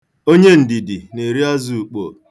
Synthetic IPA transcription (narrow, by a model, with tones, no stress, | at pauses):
o˦ɲe˦n̩˨di˨di˨ne˨ɾi˦a˦zu˦˨u˨k͡po̰˨